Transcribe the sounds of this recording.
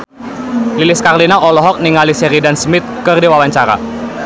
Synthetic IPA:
lilɪskarlinaʔɔlɔɦɔk̚niŋalisɛɾidansmɪt̪̚kərdiwawaɲt͡ʃaɾa̰

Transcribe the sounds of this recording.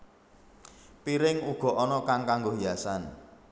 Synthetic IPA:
piɾɪŋuɡ̥ɔ̤ʔɔnɔkaŋkaŋɡoɦiasan

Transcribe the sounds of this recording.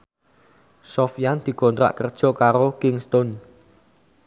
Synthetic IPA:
sɔfjand̪̥i̤kɔnt̪ɾa̰ʔkərd̥ʒ̥ɔ̤kaɾokɪŋst̪ɔn

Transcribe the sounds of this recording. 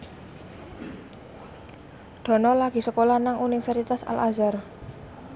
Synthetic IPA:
ɖ̪̥ɔ̤nɔlaɡ̥i̤səkolanaŋʔunifɛrsit̪asa̰lʔazar

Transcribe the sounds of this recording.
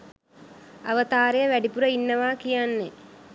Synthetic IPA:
aʋət̪aːɾejəʋæɖipuɾəinːəʋaːkijanːe

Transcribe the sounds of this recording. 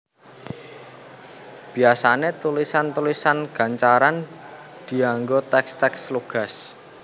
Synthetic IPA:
b̥i̤asanet̪ulisant̪ulisanɡ̥a̤ɲt͡ʃaɾan | d̪̥i̤aŋɡot̪ɛkst̪ɛksluɡ̥a̤s

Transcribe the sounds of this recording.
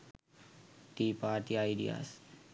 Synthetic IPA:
ʈiːpaːʈiajɖḭa̰ːs

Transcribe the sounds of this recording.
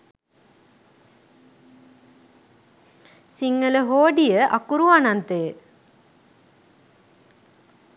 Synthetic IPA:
siŋːələɦoːɖijəʔakuɾuʋanant̪eː

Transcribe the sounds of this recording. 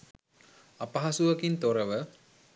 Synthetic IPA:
apɐɦasuʋɐkint̪oɾəʋə

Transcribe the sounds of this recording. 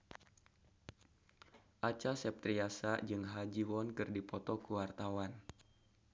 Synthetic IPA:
ʔat͡ʃasɛp̚t̪ɾiasad͡ʒɨŋɦad͡ʒiwɔnkɨrdipɔt̪ɔkuwart̪awan

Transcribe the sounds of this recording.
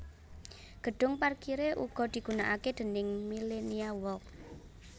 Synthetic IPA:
ɡ̥ə̤ɖ̥ʊ̤ŋparkiɾeʔṵɡ̥ɔ̤d̪̥i̤ɡ̥ṳnaʔaked̪̥ə̤nɪŋmileniawɔk̚

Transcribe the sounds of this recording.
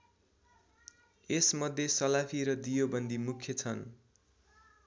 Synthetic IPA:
esmʌd̪ʱjesʌlapʰiɾʌd̪ijobʌnd̪imukʰjʌt͡sʰʌn

